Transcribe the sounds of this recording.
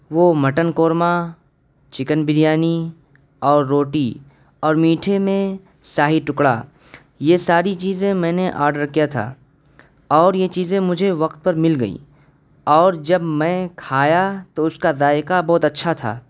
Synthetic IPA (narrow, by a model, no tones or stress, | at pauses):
ʋomɐʈənkoːɾma | t͡ʃɪkənbɪɾjaːni | ɔːɾːoːʈi | ɔːɾmiːʈʰemẽ | saːɦiʈʊkɽa̰ː | jesaːɾit͡ʃiːzẽmɛ̃ːneʔa̰ːɾɖəɾkijat̪ʰa̰ː | ɔːɾjet͡ʃiːzẽmʊd͡ʒʱeʋɐqt̪̚pɐɾmɪlɡəḭː | ɔːɾd͡ʒɐbmɛ̃ːkʰaːjat̪oʊskad̪aːɪkabɔɦt̪ɐtːʃʰat̪ʰa̰ː